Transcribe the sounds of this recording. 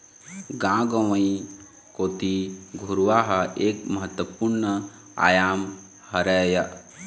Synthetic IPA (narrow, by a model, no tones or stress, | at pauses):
ɡãːɡɐʋɐ̃i | koːt̪iɡʱoːɾuʋaːɦɐʔeːk̚mɐɦət̪wɐpuɾɳɐ | a̰ːjaːm | hɐɾɛːjɐ